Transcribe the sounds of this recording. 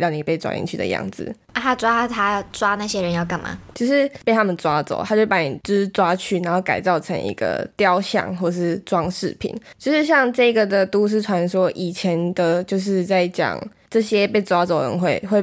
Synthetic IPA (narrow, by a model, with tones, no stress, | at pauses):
jɑ˥˩ʊni˨˩pe˥ɪt͡swa̰˥ḭ˧nt͡ɕʰy˥d̪ə̰˨jɑ̰˥˩ŋd͡z̩̰˩ | a˥˩t̪ʰa˥t͡swa˥t̪ʰa˥˩t͡swa˥na˥˩ɕjɛ˥ɻə˧˦njo˥˩ʊka˨˩nma̰˨˩t͡ɕʰo˧ʊʂɻ̩˥˧pe˥˩t̪ʰa˥mə˨nt͡swa˦t͡so̰˨˩ʊt̪ʰa˥˩pa˥˩nḭ˨˩ʈ͡ʂɻ̩˥t͡swa˦t͡ɕʰy˥˩na˨˧nxo˥˩ʊka˨ɪt͡sɑ˥˩ʊʈ͡ʂʰə˧˦ŋʔḭ˧˥ɡə̰˧˩t̪jɑ˥˧ʊɕjɑ̰˥˩ŋxwɔ˥˩ə˨ʂɻ̩˥˩t͡swɑ˥˦ŋʂɻ̩˥˩pʰḭ˨˩˦nt͡ɕjo˥˧ʊʂɻ̩˥˧ɕ̬jɑ˥˧ŋʈ͡ʂɤ˥˧i˦ɡə˨d̪ə˩t̪u˥ʂ̬ɻ̩˥˩ʈ͡ʂʰwa˧˦nswɔ˥ʔi˨˩t͡ɕʰjɛ˧˦nd̪ə˨t͡ɕjo˥˧ʊʂ̬ɻ̩˥˧t͡sa˥˩ɪt͡ɕjɑ̰˨˩ŋ | ʈ͡ʂɤ˥˩ɕjɛ˦pe˥˩ɪt͡swa˥t͡so˨˩ʊə̰˧˦nxwe˥˩ɪxwe˥˩ɪ